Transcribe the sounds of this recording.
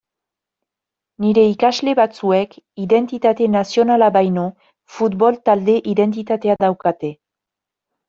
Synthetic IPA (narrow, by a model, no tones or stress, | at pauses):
niɾe̞ikazle̞βat͡sue̞kiðe̞nt̪it̪at̪e̞nasio̞nalabajno | fut̪bo̞lt̪ald̪e̞ʔiðe̞nt̪it̪at̪e̞ad̪awkat̪e̞